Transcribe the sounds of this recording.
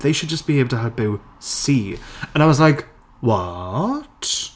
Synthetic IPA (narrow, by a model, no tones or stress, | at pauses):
ðeɪʃəd̚d͡ʒʌsb̥ieɪbl̩ˠtʰəɦəvbuʊ | siːə̃naɪwɒzlaɪk | wɔt